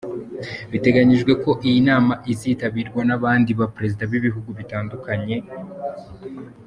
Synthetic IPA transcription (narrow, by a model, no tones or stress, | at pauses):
βite̞ɡaɲiʒɡwe̞ko̞ʔijinaːmaʔiziːtaβiːɾɡwanaβaːndiβapɾe̞zidaβiβiɦuɡuβitaːndukaɲe̞